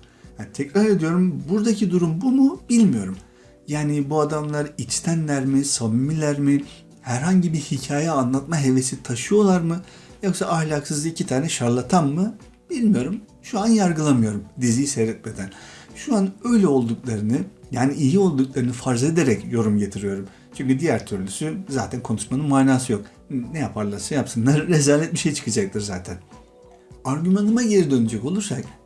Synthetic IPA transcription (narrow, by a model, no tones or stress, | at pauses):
hat̪ʰɛcɾaɾe̞d̪ijo̞ɾumbuɾd̪acʰid̪uɾumbumub̥ilʲmijo̞ɾum | jaːnibuad̪amlˠaɾit͡ʃt̪ʰænlʲæɾmisamimːilʲæɾmi | hæɾɦaɲɟibiɾhicʰaːjɛːnlˠat̪̚maɦe̞ve̞sit̪ʰaʃɯjo̞lˠaɾmɯ | jo̞ksaʔːhlʲaksɯzicʰit̪ʰaːnɛʃaɾlˠat̪ʰamːɯ | b̥ilʲmijo̞ɾum | ʃuanjaɾɡɯlˠamɯjo̞ɾumd̪izijiseɾɛt̪̚med̪ænʃuanø̞jlʲɛo̞lˠd̪uklˠaɾɯnɯjaːniijio̞lˠd̪uklˠaɾɯnɯfaɾze̞d̪e̞ɾɛcjo̞ɾumɟe̞t̪ʰiɾyjo̞ɾum | t͡ʃʰyɲcyd̪ijæɾt̪ʰyɾlʲysyzaːt̪ʰænkʰo̞nuʃmanɯnmaːnaːsɯjo̞k | nɛjapʰaɾlˠaɾsajapsɯnlˠaɾlezaːlʲɛt̪biʃe̞jit͡ʃʰɯ̥kʰɯd͡ʒak̚t̪ʰɯɾzaːt̪ʰæn | aɾɟymant̪ɯmaɟe̞ɾid̪ø̞nyd͡ʒɛko̞lˠuɾsak